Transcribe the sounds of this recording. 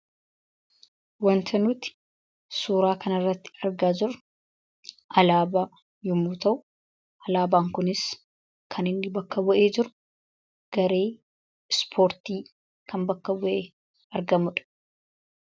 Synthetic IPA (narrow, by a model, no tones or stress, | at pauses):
wɐnt̪ʰɐnuːt̪ɪ̥ | suːɾaːkɐnɐrːɐt̪ːɪ̥ɐɾɡaːd͡ʒɪɾʊ̥ | ʔɐlaːba | jɔmuːt̪ɐʔʊ | ɐlaːbaːŋkʊnɪs | kʰɐnɪnːɪbɐkːɐbɔʔeːd͡ʒɪɾʊ̥ | ɡ̥ɐɾe̞ː | spʰo̞ːɾt̪iː | kʰɐmbɐkːɐbɔʔeː | ɐɾɡɐmʊᶑɐ̥